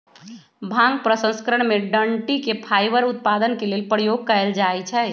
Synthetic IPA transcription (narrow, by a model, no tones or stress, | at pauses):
bʱãŋɡpɾəsə̃nskɾəɳ̃meɖəɳʈikepʰajbəɾut̪̚pad̪ənkelelpɾəjoɡ̚kəɛld͡ʒaɛt͡ʃʰɛ